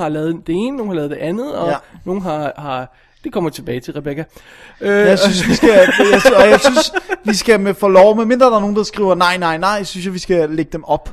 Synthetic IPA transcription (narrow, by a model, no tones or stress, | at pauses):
hɑ̈lɛːð̩ˠd̥e̝e̝ːnəno̝ːn̩hɑlɛːð̩̥ˠe̝ʔænð̩ˠɒ̽no̝ːn̩ɦɑ̈hɑ̈ | d̥ikʰɒ̽m̰ɐt͡sʰe̝b̥ɛːɪt͡sʰe̝lʁɛb̥ekʰæ | øjäɪsynsʋisɡ̥æjaɪsɒjɑ̈ɪsynsʋisɡ̥æmefɒlɒʊmeme̝nd̥ʁɐːdɑɐno̝ːn̩d̥ɑ̈sɡ̥ʁḭːʊɐnɑ̈ɪ̰nɑ̈ɪ̰nɑ̈ɪ̰synsjaʋisɡ̥æleɡ̥əd̥emʔɒ̽b̥